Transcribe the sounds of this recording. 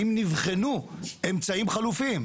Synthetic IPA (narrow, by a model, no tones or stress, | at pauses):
imnivχenue̞mt͡saimχalufim